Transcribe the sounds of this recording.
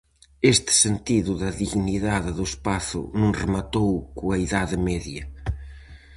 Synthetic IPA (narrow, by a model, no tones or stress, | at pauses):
est̪ɪ̥sent̪iðʊðɐðiɣniðaðɪðʊespaθʊ̰nũŋrɪmat̪owkuɐiðaðɪmɛðjɐ